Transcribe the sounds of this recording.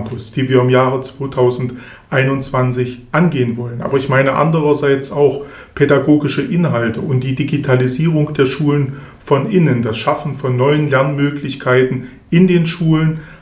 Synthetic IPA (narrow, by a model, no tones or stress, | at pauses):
pʰʊsd̥iːviːɐɪmjaːʁət͡sv̥oːtʰaʊzn̩t | ʔaɪnʊntt͡sv̥ant͡sɪçʔanɡeːənvɔlənʔa̰ːbɐɪçmaɪnəʔa̰ndəʁ̞ɐzaɪt͡saʊx | pʰɛdaɡoːɡɪʃəʔɪnɦaltəʊnt̚d̥iːdiɡitʰaliziːʁ̞ʊŋd̥eːɐʃuːlənfɔnʔɪnəndasʃafn̩fɔnːɔʏənlɛɐnmøːklɪçkʰaɪtn̩ | ʔɪndeːnʃuːlən